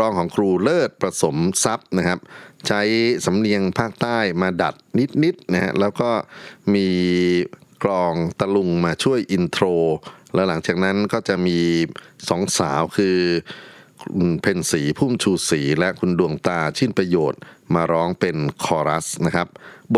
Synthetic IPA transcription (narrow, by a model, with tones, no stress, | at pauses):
ɾɔː˦˥ŋkʰɔː˩˦ŋkʰɾuː˧lɤː˥˩t̪̚pɾa˧so˩˦msa˦˥p̚na˦˥kʰa˦˥p̚t͡ɕʰa˦˥jsa˩˦mni˧əŋpʰaː˥˩k̚t̪aː˥˩jmaː˧da̰˨˩t̪̚ni˦˥t̪̚ni˦˥t̪̚na˦˥ha̰˦˥ʔlɛː˦˥wkɔː˥˩miː˧ | klɔː˧ŋt̪a˧lu˧ŋmaː˧t͡ɕʰu˥˩əjʔi˧nt̪ʰɾoː˧lɛː˦˥wla˩˦ŋt͡ɕaː˨˩k̚na˦˥nkɔː˥˩t͡ɕa˨˩ʔmiː˧sɔ˩˦ŋsa̰ː˩˦wkʰɯː˧ | u˧npʰe˧nsiː˩˦pʰuː˥˩mt͡ɕʰuː˧siː˩˦lɛ˦˥ʔkʰu˧ndu˧əŋt̪aː˧t͡ɕʰi˥˩npɾa˧joː˨˩t̪̚maː˧ɾɔː˦˥ŋpe˧nkʰɔː˧ɾa˦˥sna˦˥kʰa˦˥p̚bo˨˩